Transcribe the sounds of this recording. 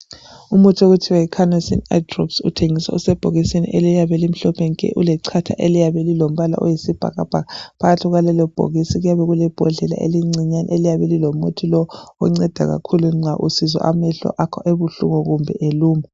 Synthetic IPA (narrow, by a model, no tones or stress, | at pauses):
umotʰioɣutʰiwaikʰanɔsḭna̰drɔ̰psṵtʰeŋisa̰usɛb̥ʱoɣisinḭʔelijaβɛlim̩ɬɔpʰɛŋkʼɛ̰ʔulɛǀʰatʰa̰ʔelijaβɛlilom̩βala̰ʔɔjisib̥ʱa̰ɣab̥ʱaɣapʰaɣatʰiɣalɛlɔb̥ʱo̰ɣisiɣujaβɛɣulɛb̥ʱɔɮɛla̰ʔḛliŋ͡ǀiɲanḭelijaβɛlilɔmotʰilɔɔ̰ŋ͡ǀɛd̥ʱa̰ɣa̰kʰuluŋ͡ǀʱaʔusizɔ̰ʔamɛɬɔ̰ʔakʰɔʔeβuɬṵŋɔɣumbʱɛʔeluːma